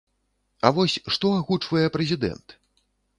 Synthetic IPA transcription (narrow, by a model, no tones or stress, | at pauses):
ɐvɔsʲʂt̪ɔaɣut͡ʂvɐjɛpɾɛzʲid̪ɛ̰nt̪